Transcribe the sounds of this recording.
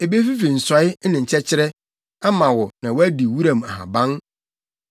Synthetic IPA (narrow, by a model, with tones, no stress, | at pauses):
e˨be˦fi˦fi˨n̩˨sa˨˦ɪ˦nɪ̃˨ɲ̩˨t͡ɕʰɛ˦t͡ɕʰɪ˦ɾɛ˦ | a˦mã˨wɔ˨nã˨wɔ˦æ˦di˨wu˦ɾã˨m˨a˨ɦã̰˨bã˦n